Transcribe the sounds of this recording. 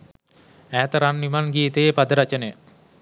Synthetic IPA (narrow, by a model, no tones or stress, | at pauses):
æːt̪əɾanːimanɡiːt̪əjepad̪əɾat͡ʃənəj